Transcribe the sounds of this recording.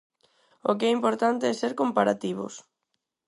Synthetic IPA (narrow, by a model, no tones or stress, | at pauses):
okɛimpoɾt̪ant̪eɛseɾkompaɾat̪iβʊ̰s